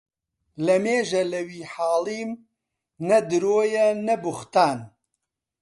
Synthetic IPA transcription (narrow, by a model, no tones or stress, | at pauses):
lɐmeːʒɐlɐwiːħaːliːm | nɐd̪ɨɾoːjɛnɐbʊxt̪aːn